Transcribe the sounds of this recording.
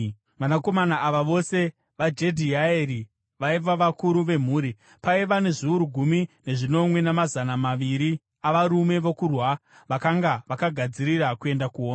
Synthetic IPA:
ʋanako̞manaʔaʋaʋo̞se̞ | ʋad͡ʒe̞dʱiaeri | ʋaiʋaʋakuɾuʋe̞m̤uːɾi | paiʋane̞ʐiuɾuɡʱumine̞ʐino̞mwe̞namazanamaʋiɾi | aʋaɾume̞ʋokurwa | ʋakaŋɡaʋakaɡʱad͡ziɾirakue̞ndakuoːna

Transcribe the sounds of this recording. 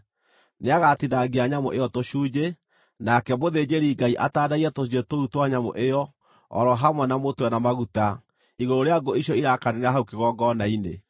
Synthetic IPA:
neaɣatidaɡeaɲamo̰ʔeɔtoɕuːd͡ʑe | nakɛmoðed͡ʑeɾiɡaiʔa̰taːdaiɛtoietoutwaɲamo̰ʔejɔ | ɔ̰ɾɔɦamwɛnamotwɛnamaɣuta | iɣooɾeaɡoiʃɔiɾakaneneaɦaukeɣɔɡɔnainḛ

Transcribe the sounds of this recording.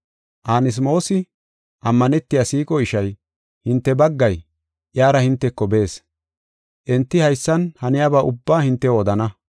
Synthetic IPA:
ʔaːnɪs̬mo̞ːsɪ | ʔɐmːɐnɛt̪ːɪjaːsiːkʼɔɪʃɐj | hɪnt̪ːɛbɐɡːɐj | ʔjaːɾɐhɪnt̪ːɛkːɔbe̞ːs | ʔɛnt̪ːɪhɐjsːɐnhɐnɪjaːbaːʔʊbːaːhɪnt̪ːɛoːd̪ɐnɐ

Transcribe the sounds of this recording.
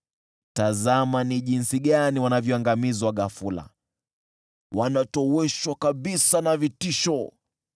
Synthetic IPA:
tazamaniʄinsiɠaniwanavjɔaŋɡamizwaɠafula̰ | wanatɔwɛʃwakaɓisanavitiʃɔ

